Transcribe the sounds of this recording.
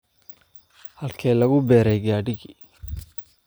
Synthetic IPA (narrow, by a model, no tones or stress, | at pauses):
hɐlkʰɛːlɐɣʊbɛːɾɛjɡaːɖɪɣi